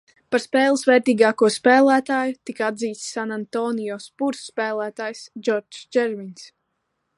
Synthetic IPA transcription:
paɾspɛːlˠɨsvɛːɾt̪iːɡaːkuɔspɛːlˠæːt̪aːjut̪ikaad̪ziːt̪ssanant̪ɔːnijɔspuɾsːpæːlˠæːt̪aːjsd͡ʒɔɾt͡ʃd͡ʒɛɾmins

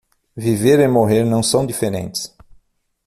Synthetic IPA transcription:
viveɾemoɦeɾnɐ̃w̃sɐ̃w̃d̪ifeɾḛ̃nt̪ɪ̥s

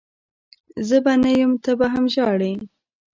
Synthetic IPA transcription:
zəbanajəmt̪abaɦamʒɑɽem

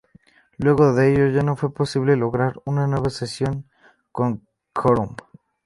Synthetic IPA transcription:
lweɣoðeeʝoʝanofweposiβleloɣɾaɾunanweβasesjoŋ | koŋ | kʰoɾum

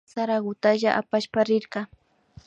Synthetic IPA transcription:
saɾaɢʊt̪aʒaʔapaʃpaɾɪɾɢɑ

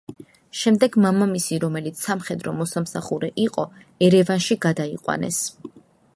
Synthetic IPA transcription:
ʃɛmd̪ɛɡmamamisiɾɔmɛlit̪sʰsamχɛd̪ɾɔmɔsamsaχuɾɛʔiqʼɔ | ɛɾɛvanʃiɡad̪aiqʼwa̰nɛ̰s

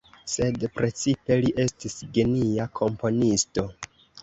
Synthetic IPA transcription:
se̞dpɾe̞t͡sipe̞liʔe̞stisɡe̞niakʰo̞mpo̞nisto̞

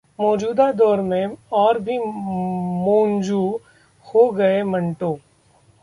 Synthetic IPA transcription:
mɔːd͡ʒuːd̪ad̪ɔːɾmẽɔːɾbʱi | mõːnd͡ʒuː | hoɡɐemɐ̃ɳʈoː

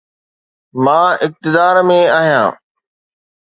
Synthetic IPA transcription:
mãːɪk̚t̪ɪd̪aːɾmẽaːɦijã̰ː

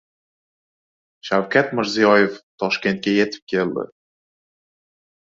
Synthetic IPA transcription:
ʃawkʲʰat̪mɪɾzijɒjeft̪ʰɒʃkʲe̞nt̪̚kʲejet̪ʰɪ̥p̚kʲʰe̞ld̪ɪ̰

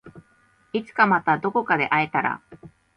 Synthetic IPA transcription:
it͡sɨ̥kamat̪ad̪o̞ko̞kad̪e̞̰ʔaet̪aɾa̰

